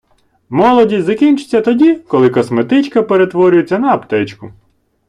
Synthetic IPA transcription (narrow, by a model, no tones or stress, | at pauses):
mɔlˠɔdʲizɐkʲinʲt͡ʃʊ̥t͡sʲːɐt̪ɔdʲikɔlˠɪkɔsmet̪ɪt͡ʃkɐpeɾet̪ʋɔɾʲʊjet͡sʲːɐnɐːpt̪ɛt͡ʃkʊ